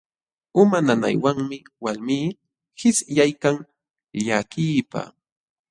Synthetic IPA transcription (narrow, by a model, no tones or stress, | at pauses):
ʊmanana̰jwaŋmɪ | walmiː | hɪsjajkaŋ | ʎakiːpa̰